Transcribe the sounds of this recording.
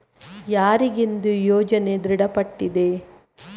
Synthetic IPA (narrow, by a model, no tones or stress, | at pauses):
jaːɾiɡind̪ujɔːd͡ʒɐne̞d̪ɾiɽɐpɐʈːid̪e̞